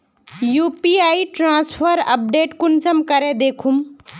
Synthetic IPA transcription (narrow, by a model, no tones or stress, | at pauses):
juːpiaːiʈɾãːspʰəɾɐ̰p̚ɖeːʈkʊnsɐmkɐɾed̪eːkʰum